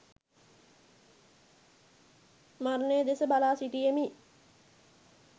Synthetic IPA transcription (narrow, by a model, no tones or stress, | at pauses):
maɾnəjəd̪esəbalaːsiʈijemi